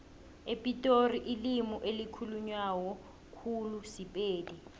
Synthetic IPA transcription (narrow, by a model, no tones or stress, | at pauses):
epʼitʼoriʔilimuʔelikʰuluɲwawɔ | kʰulusipʼeːdi